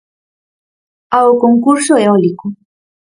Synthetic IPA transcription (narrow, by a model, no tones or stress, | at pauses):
aokoŋkuɾsoeɔliko